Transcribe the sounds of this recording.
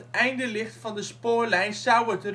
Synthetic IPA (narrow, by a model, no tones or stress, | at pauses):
tɛjndəlɪχtfɑndəspoːɹlɛjnsʌwətr